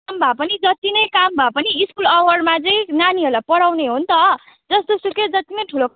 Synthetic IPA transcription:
mbʱapʌnid͡zʌt̪inʌjkambʱapʌniiskulʌwʌɽmad͡zʌĩnaniɦʌlapʌɽawneɦont̪ʌ | d͡zʌst̪osuked͡zʌt̪inʌjʈʰulo

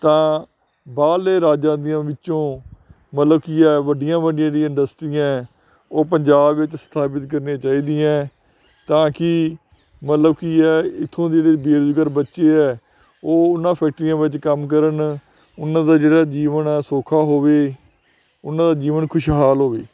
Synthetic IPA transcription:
t̪ãː | baːleːɾaːd͡ʒãːd̪ijãːʋɪt͡ʃõː | mət̪ləbkiɛːʋəɖɪjãːʋəɖɪjãːĩɪ̃ɳɖəsʈɾiːãː | oːp̬əɲd͡ʒaːbʋɪt͡ʃst̪ʰaːp̬ɪt̪kəɾnẽːt͡ʃaːiːd̪iːãː | t̪ãːkɪ | mət̪ləbkiɛːɪt̪ʰːõːd͡ʒeːɽeːbeːɾd͡ʒ̪ɡəɾbətːʃeːɛː | oːʊnːãːpʰɛːk̚ʈɾijãːʋɪt͡ʃkəmk̬əɾən | ʊnːãːd̪aːd͡ʒeːɽaːd͡ʒiːʋənɛːsoːkʰaːɦoːʋeː | ʊnãːd̪aːd͡ʒiːʋənkʰʊʃɦaːlɦoːʋeː

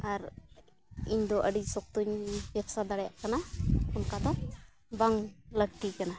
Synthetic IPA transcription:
aɾ | iɲd̪ɔʔəɖisɔk̚t̪uɲbɛbsad̪aɽɛja̰ʔkanaunkat̪ɔ | baŋləɡ̚ʈikana

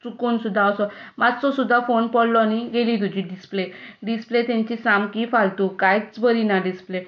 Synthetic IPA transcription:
t͡sukunsud̪ʱːaəsɔmad͡zt͡sɔsud̪ʱːafonpɔɽlɔaniɡelit̪̬ud͡ʑʱiɖispleɖisplet̪jãɲt͡ɕisamkifalt̪ukajt͡sbəɾinaɖisple

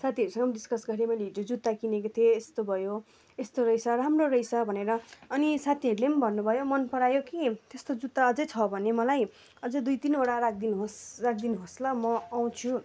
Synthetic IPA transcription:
sat̪ʰiʌɾusʌ̃ŋɡʌmd̪iskʌsɡʌɾemʌjleɦiod͡zut̪ːakinekot̪ʰioːst̪obʱʌjo | est̪oɾʌjsʌɾamrorʌjsʌbʱʌneɾʌːnisat̪ʰiʌɾulembʱʌnːubʱʌjomʌnpʌɾajokit̪est̪od͡zut̪ːaʌd͡zʌjt͡sʰʌbʱʌnemʌlaj | ʌd͡zʌd̪ujt̪inoɽaɾak̚d̪inɦosrak̚d̪inɦoslʌmʌaw̃t͡sʰu

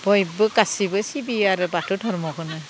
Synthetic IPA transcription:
b̥ɔjbɯkasibɯsibiaɾubatʰudʰʱɔɹmɔkʰɯnɯ

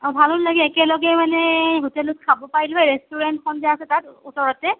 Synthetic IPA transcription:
ɔbʱalɔnlaɡɛːkɛlɔɡɛmanɛɦutɛlut̚kʰabɔpaɹilajɹɛstuɹɛntxʰɔnziaasɛtatusɔɹɔtɛ

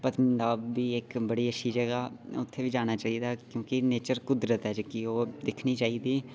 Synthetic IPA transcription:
pət̪mɪnd̪aːbːiːɪkbəɽiːəʃʰiːd͡ʒəɡaːʊt̪ʰːeːʋiːd͡ʒaːɽ̃aːt͡ʃaːɦiːd̪aːkjõːkɪneːt͡ʃəɾkʊd̪ɾət̪ɦɛd͡ʒkioːd̪ɪkʰniːt͡ʃaːiːd̪iː

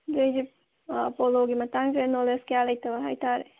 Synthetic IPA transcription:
d͡ʒejd͡ʒip | poloɡimɐtaŋzenoleskjalɐjt̪ɐbɐɦajt̪aɾe

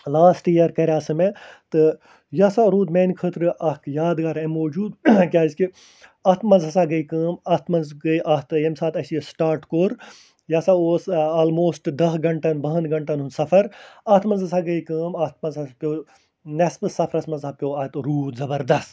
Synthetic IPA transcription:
laːsʈiɐɾkɐɾʲaːsɨmet̪ɨ | jasaɾuːd̪meːnkʰəːt̪ɾɨʔɐkjaːd̪ɡaːɾɐmoːd͡ʒuːd̪kʲaːiski | ɐht̪ʰmɐnzɐsaːɡɐikəːmɐht̪ʰmɐnzɡɐiʔɐt̪ɨjemsaːt̪ɐsiesʈaːɾʈkoːɾ | jasaoːsaːlmoːsʈd̪ɐɦɡɐɳʈɐnbɐɦɐnɡɐɳʈɐnunsɐfʰɐɾɐt̪ʰmɐnzɐsaɡɐikəːmɐt̪̚ʰmɐnzɐpʲjoː | nɛspɨsɐfʰɾɐsmɐ̃nzapʲjoːɐt̪ɾuːd̪zɐbɐɾd̪ɐst̪

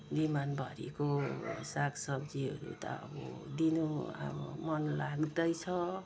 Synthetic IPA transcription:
bimanbʱʌɾḭkosaksʌb̚d͡ziɦʌɾṵt̪ʌ̰ʌ̰bʌ̰d̪inoa̰bmʌnlaɡd̪ʌjt͡sʰʌ

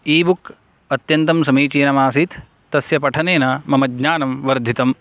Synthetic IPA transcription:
iːbuk | ɐt̪jɐnt̪ɐmsɐmiːt͡ʃiːnɐmaːsit̪ː | ɐsjɐpɐʈʰɐneːnɐmɐmɐɡɲaːnɐmʋɐɾd̪ʱit̪ɐm

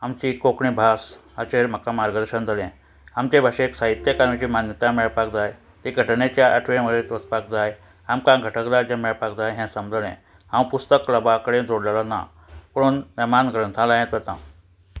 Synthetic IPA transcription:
amt͡ɕikokɳibʱasət͡ɕeɾm̤əkamaɾɡəd̪əɾɕənd͡zʱalẽ | amt͡ɕebʱaɕeksaɦit̪ːjəkaɾĩt͡ɕiːmanjət̪ãmɛɭpakd͡zaj | t̪iɡʱəʈɳet͡ɕjaʔə̰ʈʰʋẽməd̪et̪ʋət͡spak̚d͡zaj | amkãɡʱəʈʰəkd͡zajd͡ʑamɛɭpakd͡zajɦɛ̃səmbd͡zəlḛ̃ | ãwpust̪əkləbakəɽẽd͡zoɽlalana̰ | pəɽuːnniɾmanɡɾənt̪ʰãlãjẽt̪ʋət̪ã̰

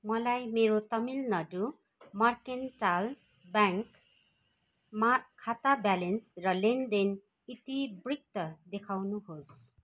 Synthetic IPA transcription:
mʌlajmeɾot̪ʌmilnʌdu | mʌrkenʈal | baŋk | makʰːat̪abalensrʌlend̪en | it̪ibrik̚t̪ʌd̪ekʰawnuɦos

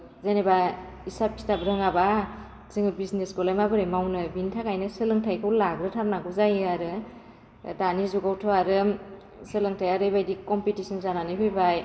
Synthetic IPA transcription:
zaneba | isap̚i̥tabɾɯŋaba | zɯŋɯbisnesɡɔlajmabɯɾɯmawnɯbintʰakajnɯsɯlɯŋtʰajkʰɯwlaɡɾɯtʰaɾnaɡuzajɯaɾɯ | danizuɡawtʰɔaɾɯ | sɯlɯŋtʰajaɾɯjbajdikɔmpitisɯnzananipʰɯjbaj

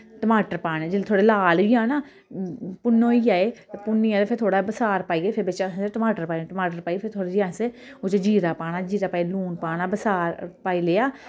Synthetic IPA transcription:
ʈəmaːʈəɾpaːɽ̃eːd͡ʒɪlt̪ʰoːɽeːlaːlːjãːnãː | pʊnːõːiːaːeːt̪epʊnːiːaːt̪epʰɪɾt̪ʰoːɽaːbəsaːɾpaːiːeːpʰɪbɪt͡ʃaseʈəmaːʈəɾpaːiʈəmaːʈəɾpaːipʰɪɾt̪ʰoːɽeːd͡ʒãːseʊt͡ʃːd͡ʒiːɾaːpaːɽ̃aːd͡ʒiːɾaːpaːiluːnpaːɽaːbəsaːɾpaːiːleːaː

